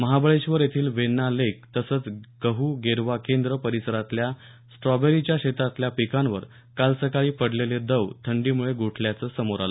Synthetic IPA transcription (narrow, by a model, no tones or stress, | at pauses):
məɦabəɭeɕʋəɾjet̪ʰiːlʋenːalek̚t̪əsəːt͡sɡ̥əɦuːɡeɾʋakend̪ɾəpəɾisəɾat̪lja | sʈɾɔbeɾit͡ɕjaɕet̪at̪ljapikãnʋəɾ | kalsəkaɭiːpəɽleled̪əʋt̪ʰəɳɖiːmuɭeɡoʈʰljat͡səːsəmoɾalə